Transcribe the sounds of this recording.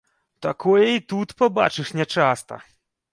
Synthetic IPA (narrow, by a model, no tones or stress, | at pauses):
t̪akɔjɛit̪ut̪pɔba̰t͡ʂɨʂnʲɛt͡ʂast̪ɐ̰